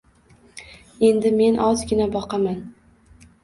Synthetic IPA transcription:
e̞nd̪ɪme̞nʔɒzɡʲɪnabɒqʰɑman

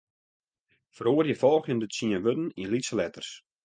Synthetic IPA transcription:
fəɾoːərjəfɔlˠxjəndətsiənʋødn̩inlitsəlɛtərs

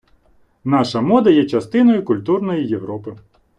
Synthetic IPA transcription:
nɑʃɐmɔd̪ɐjɛt͡ʃɐst̪ɪnɔjʊkʊlʲt̪urnɔjijeʋɾɔpɪ

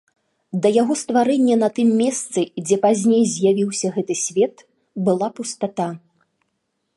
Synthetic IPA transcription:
d̪ɐjaɣɔst̪vaɾɛnʲːɛnɐt̪ɨmːʲɛst̪sɨd͡zʲɛpazʲnʲejzʲjavʲiwsʲɐɣɛt̪ɨsʲvʲɛt̪ | bɨlˠapust̪at̪a

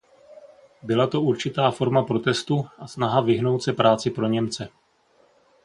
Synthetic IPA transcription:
bɪlat̪o̞uɾt͡ʃɪt̪aːfo̞ɾmapɾo̞t̪ɛst̪uʔasnaɦavɪɦno̞wt̪sɛpɾaːt͡sɪpɾo̞ɲɛmt͡sɛ

